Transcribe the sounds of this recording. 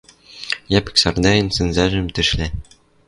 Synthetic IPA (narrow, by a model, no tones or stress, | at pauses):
jæpɘ̥̆ksɑrd̪æɘnsɘ̆nzæʒɘ̆mt̪ɘ̆ʃlæ